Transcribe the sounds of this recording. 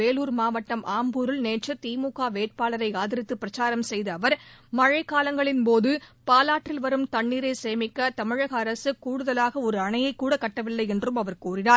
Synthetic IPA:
eːluːɾmaːʋɐʈːɐmʔaːmbuːɾɯlneːt͡ʃɐt̪iːmuːkaːʋeːʈ̚paːlɐɾɐɪaːðɪɾɪt̪ːɯpːɪɾɐt͡ʃaːɾɐmsɛjðɐːʋɐɾmɐɻɐɪkːaːlɐŋɡɐɭɪnpoːðɯpaːlaːʈrɪlʋɐɾɯmt̪ɐɳːiːɾeːseːmɪkːɐt̪ɐmɪɻɐɣɐːɾɐsɯkuːɽɯðɐlaːɣɐɔɾɯɐɳɐjɐɪkːuːɽɐkːɐʈːɐʋɪlːɐɪɛndrɯmɐʋɐɾkuːrɪnaː

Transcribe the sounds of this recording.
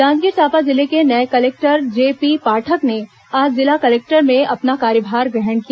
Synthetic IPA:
dãːnd͡ʒ̪ɡiːɾt̪ʰaːpad͡ʒɪlekenɐekɐleːk̚ʈəɾd͡ʒeːpipaːʈʰəkne | aːd͡ʒzɪlakɐleːk̚ʈəɾmẽʔɐpnakaːɾjəbʱaːɾɡɛɦəɳkijaː

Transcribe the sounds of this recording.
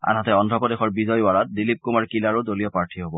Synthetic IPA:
a̰nɦatɛɔndʱɔpɔdexɔɹbizɔjwaɹat̚dilip̚kumaɹkilaɹudolijɔpaɹtʰiɦobɔ

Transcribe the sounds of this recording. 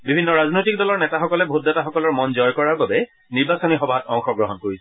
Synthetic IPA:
bibʱinːɔɹaznojtik̚dɔlɔɹnɛtaxɔkɔlɛbʱut̚dataxɔkɔlɔɹmɔnzɔjkɔɹaɹbabɛ | niɹbasɔnixɔbʱatɔŋxɔɡɹɔɦɔnkoɹisɛ

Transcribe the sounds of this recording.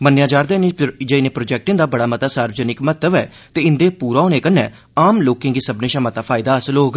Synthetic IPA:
mənjãːd͡ʒaːɾd̪eːnd͡ʒeɪnẽːpɾoːd͡ʒɛːk̚ʈɪ̃ŋd̪aːbəɽaːmət̪aːsaːɾʋəd͡ʒənɪkmət̪əʋɛː | t̪eːɪnd̪eːpuːɾaːoːneːkənːɛ̃ː | aːmloːkẽːŋɡiːsəbnẽːʃamət̪aːpʰaːɪd̪aːəsəlɦoːɡ

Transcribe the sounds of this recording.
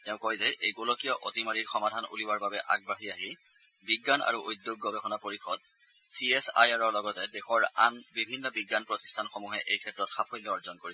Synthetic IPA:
tɛʊ̃kojzɛʔejɡolɔkijɔʔotimaɹiɹxɔmadʱanṵliwaɹbabɛʔa̰ɡ̚baɦiaɦi | biɡːana̰ɹuʔojdjoɡːɔbɛxɔnapoɹixʰɔd | siesa̰jaɹɔɹlɔɡɔtɛdɛxɔɹanbibʱinːɔbiɡːanpɹɔti̥stʰanxɔmuɦɛʔejkʰɛtɹɔtxapʰɔjlːɔɔɹzɔnkoɹi

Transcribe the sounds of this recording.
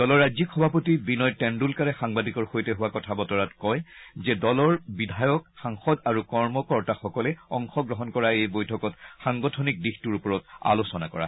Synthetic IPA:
dɔlɔɹːazikxɔbʱapɔtibinɔjtɛndulkaɹɛxaŋbadikɔɹxojtɛɦuwakɔtʰabɔtɔɹatkɔjzɛdɔlɔɹbidʱajɔkxaŋxɔdaɹukɔɹmɔkɔɹtaxɔkɔlɛɔŋxɔɡɹɔɦɔnkɔɹaejbojtʰɔkɔtxaŋɡɔtʰɔnik̚dixtuɹupɔɹɔta̰losɔnakɔ̰ɹa̰

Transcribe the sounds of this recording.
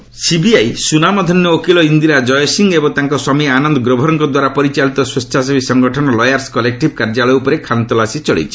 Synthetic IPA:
sibiajsunamɔd̪ʱɔnjɔokilɔind̪iɾad͡ʒɔjsiŋɡebɔŋt̪aŋkɔswamianɔnd̪ɔɡɾobʱɔɾɔŋkɔd̪waɾapɔɾit͡ʃalit̪ɔswost͡ʃʰas̬ebʱisɔŋɡɔʈʰɔnɔlɔjaɾskɔlek̚ʈib̚kaɾd͡ʒalɔjupɔɾekʰant̪ɔlasit͡ʃɔɭḛjt͡ʃʰi

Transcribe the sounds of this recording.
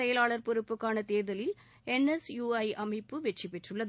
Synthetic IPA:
ɐjɐlaːɭɐɾpɔɾʊpːɯkːaːnɐt̪eːɾðɐlɪl | ɛnesjuːɐjʔɐmɐɪpːɯʋɛt͡ʃːipːɛʈrɯɭːɐð

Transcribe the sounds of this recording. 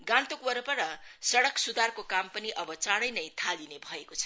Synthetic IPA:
ɡãnt̪okwʌɾʌpʌɾʌsʌɽʌksud̪arkokampʌniʔʌbʌt͡saɽʌjnʌjt̪ʰalinebʱʌekot͡sʰʌ̥

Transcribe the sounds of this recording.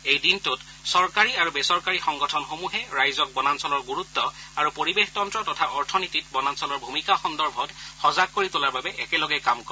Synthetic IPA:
ejdintʊt | sɔɹkaɹiaɹubɛsɔɹkaɹixɔŋɡɔtʰɔnxomuɦɛɹajzɔk̚bɔnansɔlɔɹɡuɹut̪ːɔaɹupoɹibextɔntɹɔtɔtʰaʔɔɹtʰɔnitit̚bɔnansɔlɔɹbʱumikaxɔndɔɹbʱɔtxɔzakːoɹitolaɹbabɛʔɛkɛlɔɡɛkamkɔ

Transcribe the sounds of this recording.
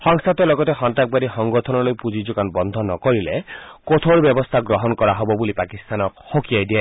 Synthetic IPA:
hɔŋsat̪ɔlɔɡɔt̪exɔnt̪ak̚baɾixɔŋɡɔt̪ʰɔnɔlojpud͡ʒid͡ʒukanbɔnd̪ʱɔnɔkɔɾilekot̪ʰoɾbjɔbɔst̪ʰaɡɾɔɦɔnkɔɾaɦɔbɔbulipakist̪anɔkhokiajd̪ia

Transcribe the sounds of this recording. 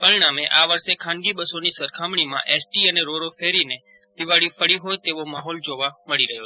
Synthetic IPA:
pəɾiɽ̃ameʔaʋəɾʃekʰãnɡibəsonisəɾkʰamɳ̃imã̰ʔesʈiəneɾoɾofeɾine | d̪iʋaɽifəɽiɦojt̪eʋomaɦɔld͡ʒoʋaməɭiɾəɦjo

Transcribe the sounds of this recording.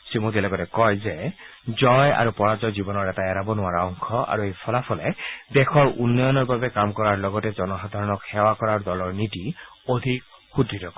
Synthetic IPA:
simotilɔɡɔtɛkɔjzɛzɔja̰ɹupɔɹazɔzibɔnɔɹɛtaɛɹabɔnʊwaɹaɔŋkʰɔa̰ɹuejpʰɔlapʰɔlɛdɛxʰɔɹunːɔjɔnɔɹbabɛkamkɔɹaɹlɔɡɔtɛzɔnɔxad̪ʱaɹɔnɔkxɛwakɔɹaɹdɔlɔɹnitiodʱikxuditɔk

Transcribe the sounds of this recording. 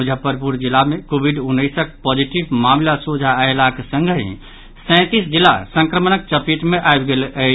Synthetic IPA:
mud͡ʒʱəpəɾpuɾd͡ʒilamekobʱiɖunːəjsək̚pɔd͡ʒiʈibmamlasud͡ʒʱaːelakesə̃ŋɡʱɦḭ̃ | sɛ̃t̪isd͡ʒilːa̰sə̃ŋkɾəmənək̚t͡ʃəpiʈ̪meʔaebɡelʔə

